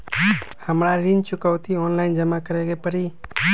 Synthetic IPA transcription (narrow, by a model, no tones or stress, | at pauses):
həmɽaɾint͡ʃʊkəwt̪ʰiɔnlaɪnd͡ʒəmakəɾeɡepəɾiː